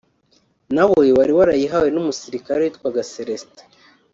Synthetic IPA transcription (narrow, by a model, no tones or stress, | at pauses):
naβoewaɾiwaɾajiɦawe̞numusiɾikaɾewitkwaɡaseɾestḁ